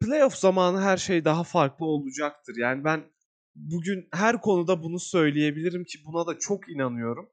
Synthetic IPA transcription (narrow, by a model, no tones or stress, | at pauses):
plʲe̞jofzamaːnɯɦæɾʃe̞jd̪aɦafaɾklˠɯo̞lˠud͡ʒak̚t̪ʰɯɾjaːnibæn | buɟynhɦæɾkʰo̞nud̪abunusø̞jlʲije̞bilʲiɾimcʰibunad̪at͡ʃʰo̞kinanɯjo̞ɾum